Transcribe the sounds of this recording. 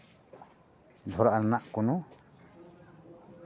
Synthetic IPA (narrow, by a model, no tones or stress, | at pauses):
d̪ʱɔɾaʔnanaʔkɔnɔ